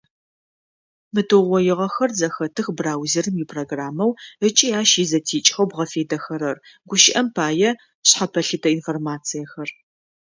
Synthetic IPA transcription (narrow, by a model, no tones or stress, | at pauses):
mɨtʰɨʁʷɔjɪʁɐxɐrzɐxɐtʰɨxbraːwzɪrɨmjipʰroɡraːmɐwət͡ʃʼiaːʃizɐtʰiːt͡ʃʼxɐwbʁɐfeːdɐxɐɾɐrɡʷʊʃɪʔɐmpʰaːjɛ | ɕħapʰɐɬɨtʰɐinformaːt͡sʰijɐxɐr